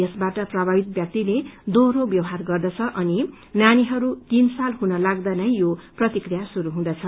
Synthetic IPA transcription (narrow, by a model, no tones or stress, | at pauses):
esbaʈʌprʌbʱabit̪̚bjʌk̚t̪iled̪orobjʌwɦarɡʌrd̪ʌt͡sʰʌʔʌni | naniɦʌɾut̪insalɦunʌlaɡd̪anʌjjoprʌt̪ikrijasuɾuɦũd̪ʌt͡sʰʌ